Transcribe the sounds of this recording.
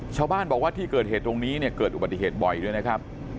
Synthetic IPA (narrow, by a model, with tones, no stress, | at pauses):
t͡ɕʰaː˥˩wbaː˥˩nbɔː˨˩k̚waː˥˩iː˥˩kɤː˨˩t̪̚heː˨˩t̪ːɾo˧ŋniː˦˥ni˥˩ɐkɤː˨˩t̪ʔba˨˩t̪ːi˨ɦeː˨˩t̪̚bɔ˨˩jdu˥˩əjna˦˥kʰɾa˦˥p̚